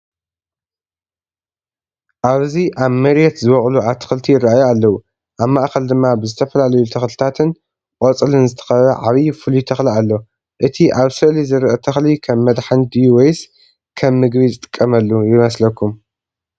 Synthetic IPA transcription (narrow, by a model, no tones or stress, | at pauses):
ʔaβziʔaβmɐɾjɛt̪zɨβɐχʼluaβt̪ʰːɨ̥xɨlt̪ʰijɪraajualːɐwu | ʔaβmaʔkɐld̪ɨmːabɨzɨt̪ʰɐfɐlalɐjut̪ʰɐxlɨt̪ʰat̪ʰɨn | kʼot͡sʼɨlɨnzɨt̪ʰɐ̥xɐβɐʕaβijfɨlut̪ʰɐxlialːo̞ | ʔɨt̪ʰiʔaβsɨʔlizɨɾʔɐt̪ʰɐxlikʰɐmːɐd̪ħand̪ijwejs | kʰɐmːɨɡβiɨt̪ʼɨ̥kʼːɐmɐlːujɪmɐslɐkːum